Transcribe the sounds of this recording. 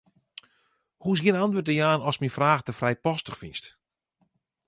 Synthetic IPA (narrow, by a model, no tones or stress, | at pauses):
huɪsɡiənantʋøtdəjaːnɔsmifraːxdəfrɛjpɔstəxfinst